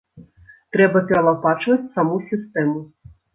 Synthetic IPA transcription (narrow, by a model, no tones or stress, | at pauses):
t̪ɾɛbɐpʲɛɾɐlˠapat͡ʂvɐt͡sʲsamusʲist̪ɛmu